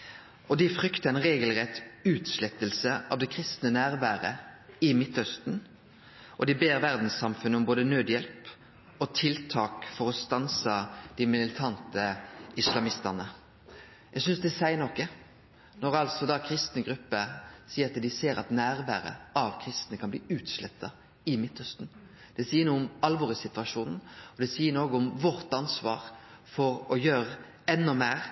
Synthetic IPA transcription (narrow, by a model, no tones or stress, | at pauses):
ɔd̪ɪfɾʏkt̪əʁænʁeːɡəlʁɛt̪ːʉːt̪ʃlɛt̪ːəlsəɑ̰ʋd̪ɛkʰʁɪst̪nənæːʁʋæːɾəɪmɪt̪hœst̪n̩ | ʔɔd̪ɪbeːʁʋæʁd̪n̩sːɑmfʉnːəɔmboːd̪ənøːd̪jɛlp | ɔt̪ʰɪlt̪ʰɑːkfɔʁɔst̪ɑnsɑd̪̥ɪmɪllɪt̪ʰɑnt̪əɪslɑmɪst̪ənə | jæɡsʏnsd̪ɛsæɪnɔkːə | nɔɾɑlsɔd̪ɑkʰɾɪst̪nəɡɾʉpːəsiːəɾɑt̪d̪ɪseːɾɑ̰t̪næːɾbæ̰ːɾə̰ɑʋkʰɾɪst̪nəkʰɑnb̪ḭːʉːt̪slɛt̪ːɑ | ɪmɪt̪ːœst̪n̩ | d̪̥ɛsiːənuːʊmɑlʋɔːʁɪsɪt̪ʋɑʂuːnn̩ɔd̪ɛsiːənoːɡəʊmʋɔɾt̪ɑnsʋɑ̰ːɾfɔɾɔjøːʁə | ɛnːɔmeːɾ